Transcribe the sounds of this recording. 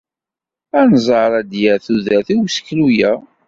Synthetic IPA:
ænzˤəɾˤæd̪jæθuðæθiwsə̥klujæ

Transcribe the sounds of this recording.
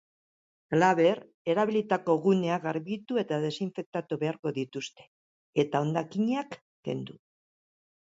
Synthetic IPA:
alaβe̞ɾ | e̞ɾaβilit̪ako̞ɣune̞aɣaɾβit̪ue̞t̪aðe̞siɱfe̞k̚t̪at̪uβe̞aɾko̞ðit̪ust̪e̞̥ | e̞t̪ao̞nd̪akiɲeakː | e̞̰nd̪u

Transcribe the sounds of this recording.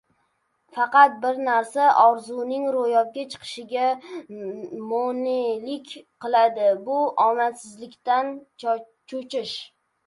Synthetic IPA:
fɑqɑt̪̚bɪɾnaɾsaʔɒɾzʊnɪŋɾojɒb̚ɡʲat͡ʃʰɨ̥qʰɨ̥ʃɪɡʲa | monelɪkʲqʰɨlˠad̪ɪbʊɒmasɪzlɪkʲt̪an | t͡ʃʰot͡ʃʰɪʃ

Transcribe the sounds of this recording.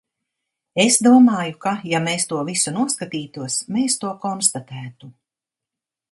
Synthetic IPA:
esd̪uɔmaːjukajameːst̪uɔvisunuɔskat̪iːt̪uɔsmeːst̪uɔkɔnst̪at̪æːt̪u

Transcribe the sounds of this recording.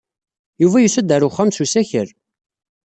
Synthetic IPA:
juvæjusæd̪əɾʊχːæmsusæçəɾ

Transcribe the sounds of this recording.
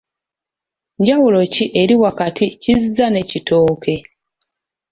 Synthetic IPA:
ɲɟawulo̞ciʔe̞ɾiwakaticizzane̞citoːke̞

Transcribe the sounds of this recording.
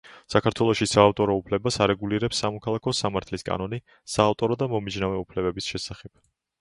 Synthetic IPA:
sakʰaɾt̪ʰwɛlˠɔʃisaːft̪ʼɔɾɔupʰlɛbasaɾɛɡuliɾɛpsːamɔkʰalˠakʰɔsamaɾt̪ʰliskʼa̰nɔni | saːft̪ʼɔɾɔd̪amɔmid͡ʒnavɛupʰlɛbɛbisʃɛsaχɛb̥̚

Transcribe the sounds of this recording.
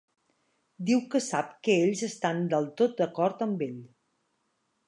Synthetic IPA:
d̪iwkəsap̚kəeʎzəst̪and̪əlˠt̪ot̪̚d̪əkɔɾt̪əmbeʎ

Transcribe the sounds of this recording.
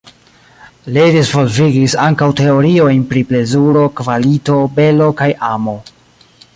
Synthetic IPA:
lidizvo̞lviɡisaŋkawte̞o̞ɾio̞jnpɾiple̞zuɾo̞kvalito̞be̞lo̞kajamo̞

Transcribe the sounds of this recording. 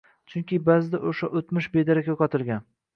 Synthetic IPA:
t͡ʃʰʊŋkʲɪbazɪd̪aʔoʃaʔot̪mɪʃbed̪aɾakʲakɒt̪ʰɪɾɡʲan

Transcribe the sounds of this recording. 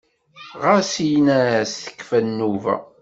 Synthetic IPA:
ʁasijnæsθə̥kːfænːuvæ̰

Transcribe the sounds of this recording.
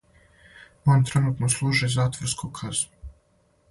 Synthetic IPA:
manʲt̪ɾɛnuːt̪noslˠuːʒɛjzaːt̪vɔɾskoːkʰazu

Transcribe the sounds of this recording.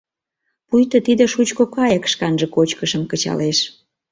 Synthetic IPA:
pujt̪ot̪id̪ĕʃut͡ɕkokɑjəkʃkɑnʒĕkot͡ɕkəʃəmkət͡ɕɑ̰leʃ

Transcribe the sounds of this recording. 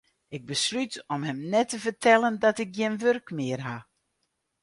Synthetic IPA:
ɪɡ̚bəslytɔmhɛmnɛtəvərtʰɛlˠəndɔtɪk̚ɡjɪnʋørkmɪərɦa

